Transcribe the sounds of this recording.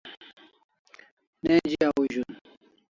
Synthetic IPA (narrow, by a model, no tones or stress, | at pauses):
nẽːd͡ʑiauʑun